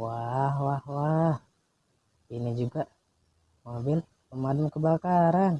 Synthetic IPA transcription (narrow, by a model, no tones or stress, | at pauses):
wahwahwah | inid͡ʒuɡaʔ | mobɪl | pəmadamkəbakaɾan